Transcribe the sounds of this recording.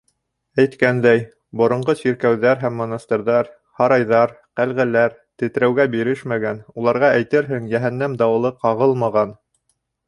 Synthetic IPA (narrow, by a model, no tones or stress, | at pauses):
æjt̪kænd̪æj | bŏɾŏɴɢɤsiɾkæwðæɾɦæmːŏnɑst̪ɤ̆ɾðɑɾ | hɑɾɑjðɑɾ | qælʁælæɾt̪ɘ̆t̪ɾæwɡæbiɾɘʃmæɡænulˠɑɾʁɑʔæjt̪ɘɾɦɘŋjæɦænːæmd̪ɑw̆lˠɤqɑʁɤlˠmɑʁɑn